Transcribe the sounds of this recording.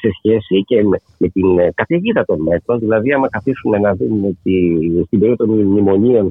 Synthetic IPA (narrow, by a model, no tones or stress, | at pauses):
se̞sçe̞sice̞ | me̞t̪inkɐt̪iʝiðɐt̪o̞nme̞t̪ɾo̞nðilɐðiɐmɐkɐθisume̞nɐðumet̪ist̪imbe̞ɾiot̪onmnimo̞ɲio̞n